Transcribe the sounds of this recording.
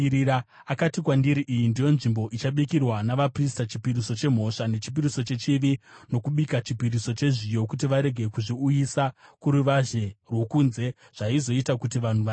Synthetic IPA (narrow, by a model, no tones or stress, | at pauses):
a | akatikwandiɾiʔijindijo̞nʐimbo̞ʔit͡ʃaɓikirwanaʋapristat͡ʃipiɾiso̞t͡ʃe̞m̤o̞ʂane̞t͡ʃi̥p̬iɾiso̞t͡ʃe̞t͡ʃiʋino̞kuɓikat͡ʃipiɾiso̞t͡ʃe̞ʐijo̞kut̬iʋaɾe̞ɡʱe̞kuʐiujisakuɾuʋaʒe̞rwo̞kunze̞ | ʐ̥aizo̞itakutiʋan̤uʋa